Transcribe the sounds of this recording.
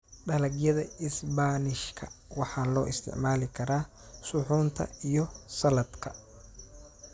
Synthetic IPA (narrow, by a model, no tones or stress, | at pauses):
ɖɐlɐɡjɐðɐɪsbaːnɪʃkʰɐ̰wɑħɑːlɔːʔɪst̪ʰɪ̰ʕmaːlɪkʰɐɾaː | sʊħuːnt̪ʰɐ̰ijɞsɐlɐd̪kʰɐ